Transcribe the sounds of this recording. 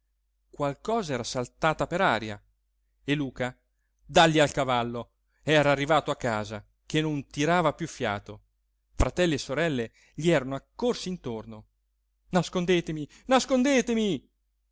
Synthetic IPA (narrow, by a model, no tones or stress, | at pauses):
kwalkɔːzaɛːɾasalt̪aːt̪apeɾaːɾja̰ | elːuːka | d̪aʎːialkavalːo | ɛːɾaːrːivaːt̪oakːaːza | kenːont̪iɾaːvapjufːja̰ːt̪o | fɾat̪ɛlːeesːoɾɛlːe | ʎiɛːɾanoakːorsint̪orno | naskond̪eːt̪emi | naskond̪eːt̪emi